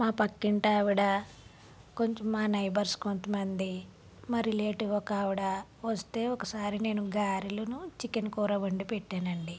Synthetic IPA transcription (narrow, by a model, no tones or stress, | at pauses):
maːpɐkːiɳʈaːʋiɽa | ko̞ɲt͡ʃɐmːaːnɐjbɐɾskont̪ɐmɐnd̪i | mɐɾile̞ːʈiʋɐkaːʋiɽaʋɐst̪e̞ːɔkɐsaːɾine̞ːnuɡaːɾilɐnut͡ʃikɐnkuːɾɐʋɐɳɖipeʈːaːnɐɳɖi